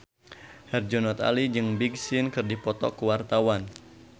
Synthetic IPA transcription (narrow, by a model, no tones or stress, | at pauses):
hɛrd͡ʒɔnɔt̪a̰lid͡ʒɨŋbiɡsɪnkɨrdipɔt̪ɔ̰kuwart̪awan